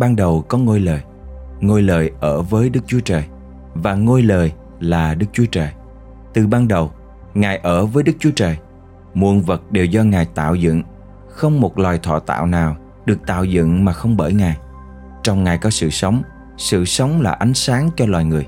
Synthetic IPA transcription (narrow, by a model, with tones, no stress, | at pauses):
ɓaː˧nɗə˨˩wkɔ˨˦ŋo˧jləː˨˩j | ŋo˧jləː˨˩jʔəː˧˩vəː˨˦jɗɨ˦˥k̚t͡ɕu˨˦ət͡ɕəː˨˩j | vaː˨˩ŋo˧jləː˨˩j | laː˨˩ɗɨ˦˥k̚t͡ɕu˨˦ət͡ɕəː˨˩j | t̪ɨ˨˩ɓaː˧nɗə˨˩w | ŋaː˨˩jʔəː˧˩vəː˨˦jɗɨ˦˥k̚t͡ɕu˨˦ət͡ɕəː˨˩j | mu˨˩ənvə˨˩t̚ɗe˨˩wzɔ˧ŋaː˨˩jt̪a̰ː˧˨wzɨ̰˧˨ŋ | xə˧wŋ͡mmo˨˩t̚lwaː˨˩jt̪ʰɔ̰˧˨t̪a̰ː˧˨wnaː˨˩w | ɗɨ˨˩ək̚t̪a̰ː˧˨wzɨ̰˧˨ŋmaː˨˩xə˧wŋ͡mɓəː˧˩jŋaː˨˩j | t͡ɕɔ˧wŋ͡mŋaː˨˩jkɔ˨˦sɨ̰˧˨sə˨˦wŋ͡m | sɨ̰˧˨sə˨˦wŋ͡mlaː˨˩ʔa˨˦jŋ̟saː˨˦ŋt͡ɕɔ˧lwa̰ː˨˩jŋɨ˨˩əj